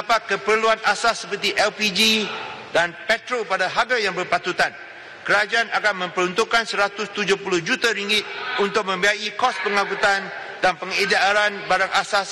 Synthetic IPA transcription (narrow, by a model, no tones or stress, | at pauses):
apakəpərluanasasːəpərt̪iʔɛlpid͡ʒidanpɛt̪ɾopadaɦaɡajaŋbərpat̪ut̪an | kəɾad͡ʒaanakanmə̃mpəɾunt̪uʔkːansəɾat̪ʊst̪ud͡ʒupulʊhd͡ʒut̪aɾiŋɡɪt̪̚unt̪ʊk̚mə̃mbiaikɔspəŋaɡut̪an | danpəŋedaɾanbaɾaŋʔasas